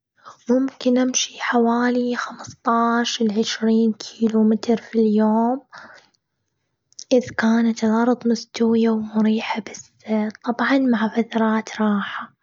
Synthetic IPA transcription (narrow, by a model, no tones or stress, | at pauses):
mʊmkɪnʔamʃiħawaːlixamst̪ˤɑːʃlʕɪʃɾiːnkʰiːlumɪt̪ɾfiljoːm | ʔɪðkaːnat̪lʕɑɾˤt̪ˤmʊst̪awjawmʊɾiːħabɪsːat̪ˤːɑbʕɑnmaʕfat̪ɑɾˤɑːt̪ɾˤɑːħa